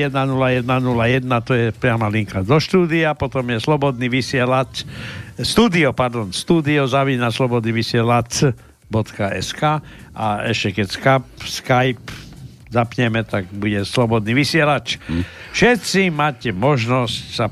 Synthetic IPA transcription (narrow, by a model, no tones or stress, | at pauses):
jɛd̪nanulajɛd̪nanulajɛd̪nat̪ɔjɛpɾɪamaliŋkad̪ɔʃt̪uːd̪iapɔt̪ɔmjɛslɔbɔd̪niʋisɪɛlat͡s | st̪uːd̪iɔpaɾd̪ɔnst̪uːd̪iɔzaʋiːnaslɔbɔd̪niʋisɪɛlat͡s | bɔt̪kaʔɛ̰skaː | ʔaɛʃcɛkɛcskap̚skajp | zapɲɛmɛt̪aɡbuɟɛslɔbɔd̪niːʋisɪɛlat͡ʃfʃɛt̪t͡simaːcɛmɔʒnɔscsa